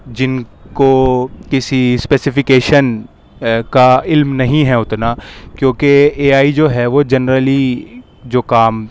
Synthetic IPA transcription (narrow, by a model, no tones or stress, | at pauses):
d͡ʒɪnkokɪsispɛːsɪfɪkeːʃən | kaɪlmnɐɦĩɦɛʊt̪nakjõːkeeːaːid͡ʒoːɦɛʋod͡ʒɐnɾəli | d͡ʒoːkaːm